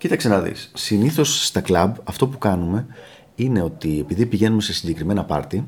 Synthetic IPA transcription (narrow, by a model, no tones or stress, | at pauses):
cit̪ɐkse̞nɐðḭsːiniθo̞sːt̪ɐklɐbɐft̪o̞pukɐnume̞ | ine̞o̞t̪ie̞piðipiʝe̞nume̞se̞siɲɟe̞kɾime̞nɐpɐ̰ɾt̪i